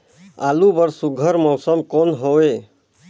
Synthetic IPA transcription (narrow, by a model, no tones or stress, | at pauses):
aːlubəɾsʊɡʱəɾmɔːsəmkonɦoʋe